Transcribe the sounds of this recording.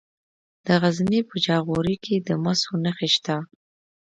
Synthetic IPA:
d̪̥əɣazmepəd͡ʒɑɣoɾiked̪əmasonəxeʃt̪a

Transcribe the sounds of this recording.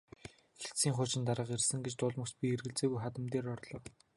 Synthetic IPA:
xext̪siːŋχʊːt͡ɕɪ̆nt̪aɾə̆qersɘ̆ŋɡet͡ɕt̪ʊːɮmə̆kt͡ɕpʲierɣɘ̆ɮt͡seːɣujχat̪ə̆mt̪eːrɔrɮɞ̆ːw

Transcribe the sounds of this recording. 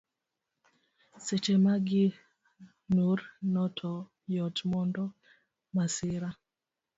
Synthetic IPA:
set͡ʃemaɡɪ | nuɾnɔtʰɔ | jɔtmɔndɔ | masɪɾa

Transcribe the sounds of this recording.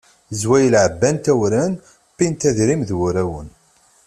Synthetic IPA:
zwæjəlʕəbːænt̪æwɾæn | pːint̪æðɾimðwʊɾæwən

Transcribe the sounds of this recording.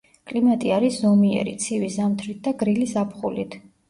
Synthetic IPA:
kʼlimat̪ʼiaɾiszɔmiɛ̰ɾḭt̪sʰivisamt̪ʰɾit̪̚d̪aɡɾilisapχulit̪ʰ

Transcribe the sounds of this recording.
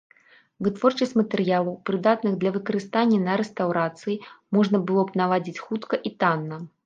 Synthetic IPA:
vɨt̪vɔrt͡ʂɐsʲt͡sʲmɐt̪ɛɾɨjalˠɐwpɾɨd̪at̪nɨɣd̪lʲɐvɨkɐɾɨst̪anʲːɛnɐɾɛst̪awɾat̪sɨjimɔʐnɐbɨlˠɔbnavˠad͡zʲit͡sʲxut̪kɐʔit̪anːɐ

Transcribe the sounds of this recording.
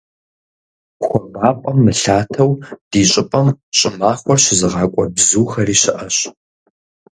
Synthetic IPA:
xʷɔmaːpʼɔmːɨɬaːtʰɐwd̥iːɕʼɪpʼɐmɕʼɪmaːχʷɔrɕɪzɨʁɑːkʷʼɔbzuːxɐriːɕɪʔɐɕ

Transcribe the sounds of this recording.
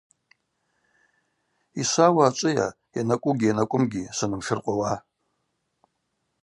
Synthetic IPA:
isawaːt͡ʃʷʼɨja̰ | janakʷʼʊɡʲijanakʷʼʊmɡʲisanɨmʃɨrqʷʼawa

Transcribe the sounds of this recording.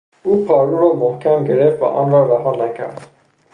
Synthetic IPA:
uːpʰɒːɾuɾɒːmohkʰæmɟeɾeft̪væ̰ʔɒ̰ːnɾɔːɾæɦɒːnækʰæ̰ɾd̪

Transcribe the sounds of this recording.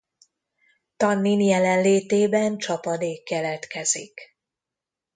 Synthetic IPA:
t̪ɒnːinjɛlɛnleːt̪eːbɛnt͡ʃɒpɒd̪eːkːɛlɛt̪kɛzḭk

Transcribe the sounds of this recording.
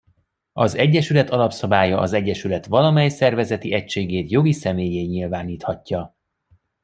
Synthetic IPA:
ɒzɛɟːɛʃylɛt̪ɒlɒpsɒbaːjɒʔɒzɛɟːɛʃylɛt̪ʋɒlɒmɛjsɛrvɛzɛt̪iɛcʃeːɡeːt̪jo̞ɡisɛmeːjeːɲilvaːniːt̪hɒcːɒ

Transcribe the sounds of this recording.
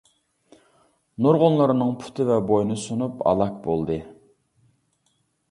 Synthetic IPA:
noɾʁʊnˠlˠɨɾɨnɨŋpʰy̥t̪ʰɪvɛbojnɨsunupɑ̰lˠɑk̚bolˠd̪ɨ

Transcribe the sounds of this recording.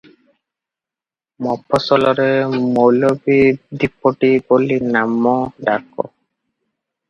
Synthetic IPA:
mɔpʰːɔsɔlɔɾemowlɔbid̪ipːɔʈibolinamɔɖakɔ̰

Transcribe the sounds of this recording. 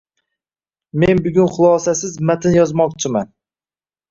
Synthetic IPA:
menbʊɡʲʊnχʊlˠɑːsasɪzmat̪ʰɪnjɒzmɒkt͡ʃʰɪman

